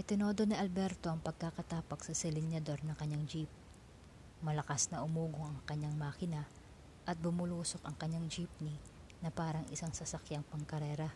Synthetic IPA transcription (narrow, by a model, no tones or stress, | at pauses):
ʔɪt̪ɪno̞ːd̪o̞niʔɐlbɛɾt̪o̞ʔɐŋpɐɡ̚kakɐt̪aːpɐɡsɐsɪlɪnjɐd̪o̞ɾnɐŋkɐɲːaŋd͡ʒip̚ | mɐlɐkasnɐʔʊmuːɡoŋɐŋkɐɲːaŋmaːkɪnɐ | ʔɐt̪̚bʊmʊluːso̞kɐŋkɐɲaŋd͡ʒip̚ninɐpaːɾɐŋʔɪsaŋsɐsɐkjaŋpɐŋkɐɾɛːɾɐ